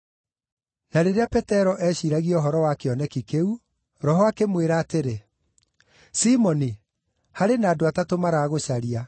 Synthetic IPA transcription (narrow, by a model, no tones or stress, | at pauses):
naɾeɾeapɛtɛɾɔʔɛɕiɾaɣiɔɦɔɾɔwakeɔnɛkikeu | ɾɔɦɔakemweɾaːteɾe | simɔni | haɾenaːdoatatomaɾaːɣoɕaɾia